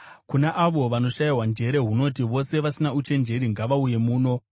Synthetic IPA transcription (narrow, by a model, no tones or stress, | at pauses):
kunaʔaʋo̞ʋano̞ʃajiwand͡ʒe̞ɾe̞ɦuno̞tiʋo̞se̞ʋasinaut͡ʃe̞nd͡ʒe̞ɾiŋɡaʋauje̞muːno̞